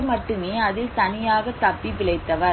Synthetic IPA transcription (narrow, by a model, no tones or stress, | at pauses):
mɐʈːɯmeːɐðɪlt̪ɐnɪjaːɣɐt̪ɐpːiʋɪɭɐɪt̪ːɐʋɐɾ